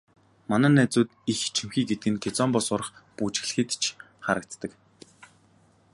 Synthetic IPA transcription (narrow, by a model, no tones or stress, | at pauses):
manæːnæːt͡sʊːt̪ixt͡ɕʰimxiːɡet̪̚ɡɘ̆nkʰet͡sɔmpɔsʊɾə̆χput͡ɕɪ̆xɮ̆xĭt̪t͡ɕʰ | χaɾə̆k̚t͡s̪t̪ə̆k